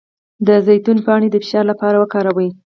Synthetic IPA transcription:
d̪əzajt̪unpɑɳ̃ed̪əfɪ̥ʃɑɾlapɑɾawəkɑɾawəj

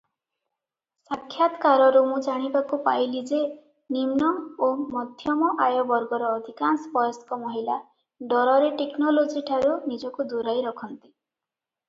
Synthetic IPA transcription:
sakʰːjat̪kaɾɔɾumud͡ʒaɽ̃ibakupajlid͡ʒe | nimnɔomɔd̪ʱjɔmɔʔajɔbɔɾɡɔɾɔːd̪ʱikansbɔjɔskɔmɔɦila | ɖɔɾɔɾeʈeknɔlod͡ʒiʈʰaɾunid͡ʒɔkud̪uɾajɾɔkʰɔnt̪i̥

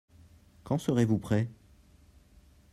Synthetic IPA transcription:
kɑ̃səʁevupχɛ

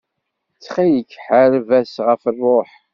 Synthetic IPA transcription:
t͡sːχijəkːħəɾvæsʁəfərˤːoħ

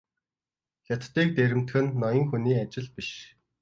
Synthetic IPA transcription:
xʲat̪t̪ːiːk̚t̪eɾɘ̆m̥t̪xɘ̆nːɔjɞ̆ŋxuniːat͡ɕɪ̆ɮpiʃ

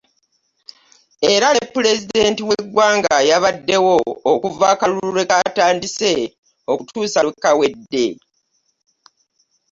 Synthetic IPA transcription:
e̞ɾaepːule̞zide̞ːntiweɡwaːŋɡajaβadːe̞wo̞okuvaːkaluɾuɾe̞kataːndise̞ | okutuːsawekːawe̞dːe̞̰

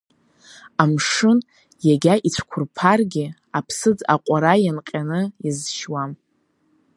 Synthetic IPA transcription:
amʂɨn | jaɡʲaʔit͡ɕʷʰkʷʰʊrpʰarɡʲɪ | apʰsɨd͡za̰qʷʼaɾajanqʲʼanɨjazʃwam

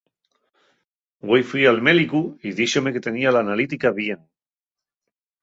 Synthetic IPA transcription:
ɡwejfwialmelikuiðiʃomeke̞t̪e̞nialaːnalit̪ikaβjeŋ

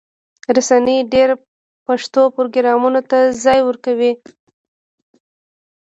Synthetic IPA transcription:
ɾasaniɖeɾ | paʂt̪opʊɾoɡɪɾɑmunot̪azɑjwəɾkawi

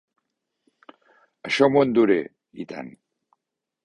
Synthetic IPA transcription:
əʃomond̪uɾḛ | ḭt̪a̰n

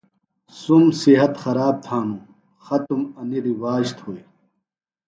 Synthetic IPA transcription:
sumsiɦɐt̪xɐɾaːb̚t̪ʰaːnũ | xɐt̪umɐniɾiwaːɕt̪hoːi

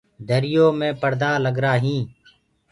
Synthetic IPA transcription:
d̪ʱəɾɪjoːmẽːpəɾd̪aːləɡɾaːɦĩː

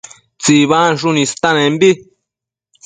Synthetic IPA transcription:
t͡siβanʂunĩst̪anẽmbi

